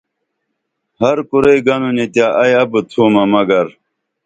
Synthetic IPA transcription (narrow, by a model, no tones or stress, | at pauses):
hɐɾkuɾejɡɐnunit̪jaːʔɐjɐbɨt̪ʰuːmɐmɐɡɐɾ